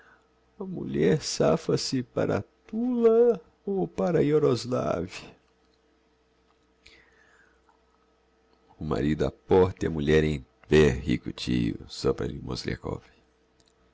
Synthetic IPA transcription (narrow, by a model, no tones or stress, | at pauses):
ɐmuʎɛɾsafɐsɪpa̰ɾɐ̰t̪ulɐ | opaɾɐjoɾozla̰vjɐ | ʊma̰ɾid̪ʊa̰pɔɾt̪ɪɐmuʎɛɾẽj̃veɾhikʊt͡ʃijʊsɔpɾɐlimozlḛkɔ̰ve